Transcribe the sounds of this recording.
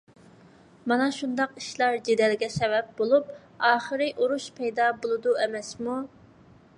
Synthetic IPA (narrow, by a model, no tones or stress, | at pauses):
mɑnɑʃund̪ɑqi̥ʃlˠɑɾd͡ʒed̪ɛlɡʲɛsɛvɛp̚bolˠup̚ | ɑːχəɾɨʔoɾuʃpʰɛjd̪ɑbolˠɨd̪uɛmɛsmu